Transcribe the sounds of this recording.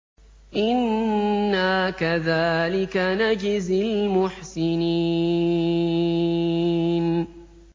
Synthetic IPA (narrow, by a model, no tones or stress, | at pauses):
ʔɪnː | aːkaðaːlɪkanad͡ʒɪzɪlmʊħsɪni | n